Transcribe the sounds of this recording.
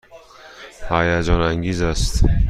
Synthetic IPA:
hæjæd͡ʒɒːnæŋɡiːzæst̪

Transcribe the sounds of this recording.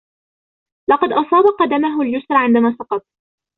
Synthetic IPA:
lɑqɑd̪ʔɑsˤɑːbɑqɑd̪amaɦʊljʊsɾˤɑʕɪnd̪amaːsɑqɑt̪̚ˤ

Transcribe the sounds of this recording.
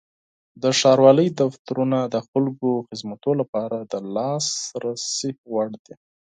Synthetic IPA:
d̪əʃɑɾwɑləjd̪aft̪aɾunad̪əxʊlɡoxɪzmat̪olapɑɾad̪əlɑsɾasiwaɽd̪i

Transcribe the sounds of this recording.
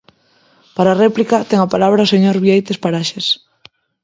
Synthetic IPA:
paɾarɛplikɐt̪ɛŋapalaβɾaoseɲoɾβiejt̪espaɾaʃes

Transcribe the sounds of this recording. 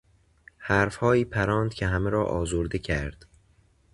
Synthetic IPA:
hæːɾfhɒːiːpʰæɾɒːnd̪̥cʰeɦæmeɾɒːʔɒːzoɾd̪ecʰæɾd̪̥

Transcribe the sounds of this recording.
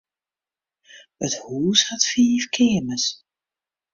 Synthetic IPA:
əthuːshatfiːfkʰɪːməs

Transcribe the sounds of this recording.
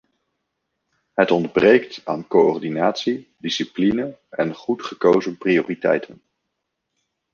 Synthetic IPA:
ɦətɔndbrejkta̰ːnkoɔrdinaːtsidisiplinəɛnχutχəkowzənprijoːritɛ̰jtʰən

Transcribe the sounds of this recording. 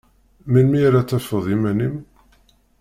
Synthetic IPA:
minmiɾæt͡sːæfəðˤimænim

